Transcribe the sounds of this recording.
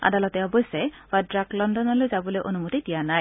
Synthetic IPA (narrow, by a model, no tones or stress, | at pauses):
a̰dalɔtɛɔbɔjsɛbadɹaklɔndɔnɔlojzabɔlojʔonumutitijanaj